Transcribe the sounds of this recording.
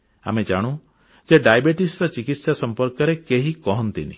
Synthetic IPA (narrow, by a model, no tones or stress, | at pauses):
a̰med͡ʒaɽ̃ũ | d͡ʒeɖajbeʈisɾɔt͡ʃikit̪sasɔmpɔɾkɔɾekeɦikɔɦɔnt̪inḭ